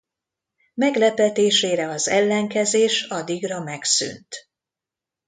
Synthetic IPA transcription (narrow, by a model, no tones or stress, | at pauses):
mɛɡlɛpɛt̪eːʃeːɾɛɒzɛlːɛŋkɛzeːʃɒd̪iɡrɒmɛksy̰nt̪